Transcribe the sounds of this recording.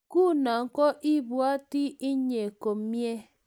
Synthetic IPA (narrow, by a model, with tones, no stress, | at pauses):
ku˦na˨ŋ̩˦kɔ˦ʔi˦bu˦a˦ti˦i˦ɲe˨ko˨m̩˦mje˦